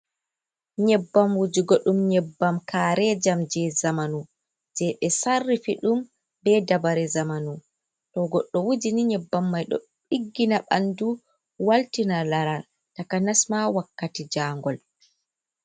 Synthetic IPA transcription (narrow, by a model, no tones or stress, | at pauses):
ɲɛbːamwud͡ʒiɡɔɗumɲɛbːamkaːɾɛd͡ʒamd͡ʒɛzamanu | d͡ʒɛɓɛsarːifiɗum | bɛdabaɾɛzamanu | tɔɡɔɗːɔwud͡ʒiniɲɛbːamːajɗɔ̰ | ɓiɡːinaɓa̰ndu | waltinalaɾa | takanasmawakːatid͡ʒaːŋɡɔl